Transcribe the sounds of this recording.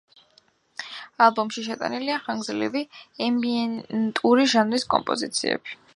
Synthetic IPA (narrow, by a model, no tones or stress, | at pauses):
alˠbɔmʃiʃ̬ɛt̪ʼa̰niliaχaŋɡzlḭviɛmbiɛnt̪ʼuɾiʒanɾiskʼɔ̰mpʼɔzḭt̪sʰḭɛ̰bi̥